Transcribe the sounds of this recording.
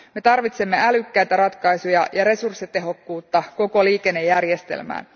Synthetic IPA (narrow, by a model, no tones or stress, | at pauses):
me̞t̪ɑrʋit̪se̞mːe̞ælykːæjt̪æɾɑt̪kɑjsujɑjɑɾe̞sursːit̪e̞ɦo̞kːuːt̪ːɑko̞ko̞liːke̞nːe̞jːærjest̪ḛlmæ̰ːn